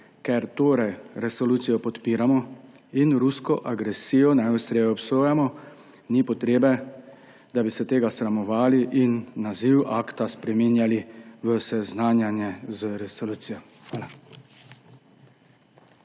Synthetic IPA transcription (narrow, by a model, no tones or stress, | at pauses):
kɛɾt̪oːɾɛjɾɛsɔluːt̪sijɔpɔt̪piːɾamɔ | inɾuskɔʔaɡɾɛsiːjɔnajust̪ɾeːjɛɔpsoːjamɔ | nipɔt̪ɾeːbɛ | d̪abisɛt̪eːɡasɾamɔʋaːliʔinːaziwaːkt̪aspɾɛminjaliʋəsɛznaːnjanjɛzəɾɛsɔluːt̪sijɔ | xʋaːla